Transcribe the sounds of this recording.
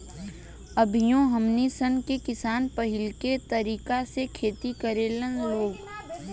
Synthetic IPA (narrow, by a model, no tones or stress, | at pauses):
əbʱijõɦəmnisənkekɪsaːnpəɦɪlket̪əɾiːkasekʰeːt̪ikəɾeːlənloːɡ